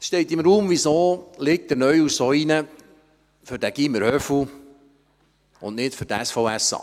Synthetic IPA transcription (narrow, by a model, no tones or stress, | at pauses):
ʃtɛɪtɪmɾuːmvisoːlɪk̚t̚dənœʏusoinə | fʏɾdæɡ̥iməɾhœfu | ʊnnɪtfʏɾdɛsfɔʊæsɑ̰ː